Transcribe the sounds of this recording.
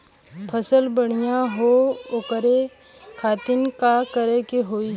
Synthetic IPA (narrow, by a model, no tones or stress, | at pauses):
pʰəsəlbəɽ̃ijaɦookəɾe | kʰaːt̪ɪnkakəɾekeɦoːi